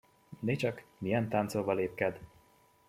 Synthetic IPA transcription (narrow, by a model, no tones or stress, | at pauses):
net͡ʃɒkmijɛnt̪ant̪soːvɒleːp̚kɛd̪